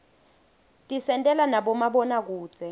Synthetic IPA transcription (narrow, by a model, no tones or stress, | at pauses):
tʼisɛntʼɛlanaɓɔmaɓɔnak̬u̥ːz̥ʱɛ